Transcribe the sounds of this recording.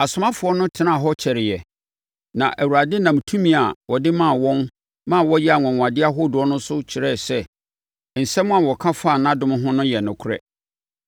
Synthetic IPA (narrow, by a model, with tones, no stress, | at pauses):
a˨sʊ˨mã˦fʊ˨ɔ˦nʊ̃˦tʰɪ˨nã˦˨ɦɔ˦t͡ɕʰɛ˨ɾɪ˨jɛ˨ | nã̰˨ʔæ˨wu˨ɾa˨dɪ˦nã˨m˨tʰũ˦mĩ˦a˨wɔ˨dɪ˦mã˦˨wɔ̃˦n | mã˦˨wɔ˦jɛ˦a˨ŋɔ̃˨ŋ̃˨a˨dɪ˦a˦ɦʊ˦dʊ˨ɔ˦nʊ̃˦sʊ˦t͡ɕʰɪ˨ɾɛ˦˨sɛ˦ | n̩˨sɛ˦mʊ̃˦a˨wɔ˨kʰã˦fa˦˨nã˦dʊ̃˦m̃˦ɦʊ̃˦nʊ̃˦jɛ˨nʊ̃˨kʰʊ˦ɾɛ̰˦